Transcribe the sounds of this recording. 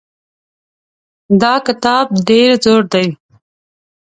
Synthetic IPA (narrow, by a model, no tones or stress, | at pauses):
d̪ɑkɪt̪ɑb̚ɖeɾd͡zoɽd̪aj